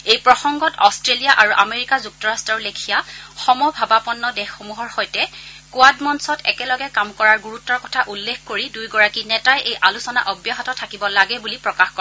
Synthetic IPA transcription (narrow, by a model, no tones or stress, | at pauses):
ejpɹɔxɔŋɡɔtɔstɹelijaʔaɹuʔameɹikazuk̚tɔɹastɹɔɹlekʰijaxɔmɔbʱabapɔnːɔdɛxːomuɦɔɹxɔjtɛkuadmɔnsɔtɛ̰kɛlɔɡɛkamkɔɹaɹɡuɹutːɔɹkɔtʰaʔulːekʰkoɹidujɡɔɹakinɛtajʔejʔalusɔna̰ʔɔbjaɦɔtɔtʰakibɔlaɡɛbulipɹɔkaxkɔ